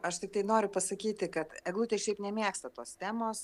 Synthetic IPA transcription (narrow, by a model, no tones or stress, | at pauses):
ɐʃt̪ʲɪkt̪ɐɪnoːɾʲʊpɐsɐkʲiːt̪ʲɪkɐt̪ɛɡlˠut̪ʲeʃʲɛɪpnʲɛmʲiɛkst̪ɐt̪oːst̪ʲæːmoːs